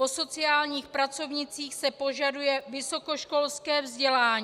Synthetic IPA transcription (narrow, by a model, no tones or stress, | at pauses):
poso̞t͡sɪaːlɲiːxpɾat͡so̞vɲɪt͡siːxsɛpoʒadujɛvɪso̞ko̞ʃko̞lskɛːvzɟɛlaːɲi